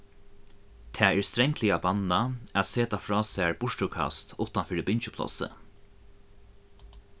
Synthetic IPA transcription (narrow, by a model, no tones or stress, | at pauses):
t̪ʰɛːɛɹst̪ɾɛŋk̪ʰlɪabanːaæt̪seːt̪afɾɔːsæːɹbʊʂʈʊkʰa̰st̪ʰʊht̪anfɪːɾɪbɪɲt͡ʃəpʰlɔ̰sə̰